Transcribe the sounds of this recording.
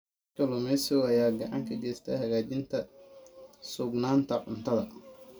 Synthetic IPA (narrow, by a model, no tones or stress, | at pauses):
kɐlɔmɛsɔwɐjaːɡɐʕɑ̰ŋkʰɐɡɛːst̪ʰɐ̰hɐɣaːt͡ʃɪnt̪ʰɐ | sʊɡnaːnt̪ʰɐʕʊnt̪ʰɐðɐ